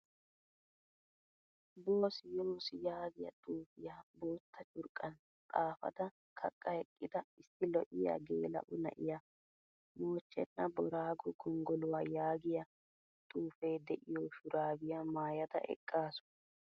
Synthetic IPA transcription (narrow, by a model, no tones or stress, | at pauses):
boːsɪjoːsɪjaːɡɪjɐ̰t̪ʼuːfɪjaboːt̪ʰːɐt͡ʃʼʊɾkʼːɐn | t̪ʼaːfɐ̰d̪ɐ | kʰɐkʼːɐhɛkʼːɪd̪ɐɪsːɪlɔʔɪja̰ɡḛːlɐ̰ʔʊnɐ̰ʔɪja | moːt͡ʃːɛ̰nːɐbɔɾaːɡɔɡɔŋɡɔlʊwaːjaːɡɪjɐ | t̪ʼuːfeːd̪ɛʔɪjoːʃʊɾaːɡɪjɐmaːjɐd̪ɐ̰ʔɛ̰kʼːaːsʊ̥